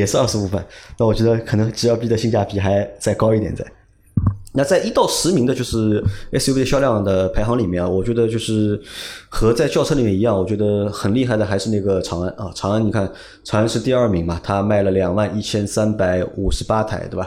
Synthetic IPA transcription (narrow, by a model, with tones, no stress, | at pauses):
jɛ˨˩ʂɻ̩˥˧ɐ˞˥˧ʂɻ̩˧˥pu˥˧fə̰˥˩nna˥˩wɔ˨˩ɥɛ˧˥d̪ə˧kʰɤ˨˩nɤ˧˥ŋʈ͡ʂɻ̩˨˩jɑ˥˧ʊpi˥˩d̪ə˧˦ɕi˥˧ŋt͡ɕja˥˩pʰi˧˥xa˧˥ɪt͡sa˥˩ɪkɑ˥ʊi˥˩t̪jɛ̰˨˩nt͡sa̰˥˩ɪ | na˥˧t͡sa˥˧ɪʔi˥t̪ɑ˥˩ʊʂɻ̩˧˥mi˧˥ŋd̪ə˧t͡ɕjo˥˧ʊʂɻ̩˥˩ɛ˥si˥˩ɕjɑ˥ljɑ˥˩ŋd̪ə˩pʰa˧˥ɪxɑ˧˥ŋli˨˩mjɛ˥˩na˨˩wɔ˨˩t͡ɕɥɛ˧˥d̪ə˧t͡ɕjo˥˧ʊʂɻ̩˥˩xɤ˧˥t͡sa˥˧ɪt͡ɕjɑ˥˧ʊʈ͡ʂʰɤ˥li˨˩jɛ˥˩ni˧˥jɑ˥˩ŋwɔ˨˩t͡ɕɥɛ˧˥d̪ə˧xə˨˩nli˥˧xa˥˩ɪd̪ə˩xa˧˥ɪʂɻ̩˧na˥˩ɡə˩ʈ͡ʂʰɑ˧˥ŋa˥˩nʔɐ˥˧ʈ͡ʂʰɑ˧˥ŋa˧˥ni˨˩kʰa˥˩n | ʈ͡ʂʰɑ˧˥ŋa˧˥nʂɻ̩˥˧t̪i˥˧ɐ˞˥˩mi˧˥ŋmɐ˨t̪ʰa˥ma˥˩ɪlə˩ljɑ˨˩ŋwa˥˧ni˥˩t͡ɕʰjɛ˥nsa˥npa˧˥ɪu˨˩ʂɻ̩˧˥pa˥t̪ʰa̰˨˩˥ɪt̪we˥˩bɐ˨˩